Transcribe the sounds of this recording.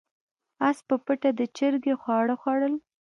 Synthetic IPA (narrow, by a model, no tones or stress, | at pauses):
aspəpəʈad̪ət͡ʃəɾɡexwɑɽəxwɑɽəl